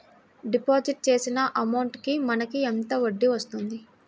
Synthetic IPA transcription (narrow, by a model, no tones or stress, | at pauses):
ɖipoːd͡ʒiʈ̚t͡ʃe̞ːsinɐʔɐmɐwɳʈkimɐnɐkient̪ɐoɖːiʋɐst̪und̪i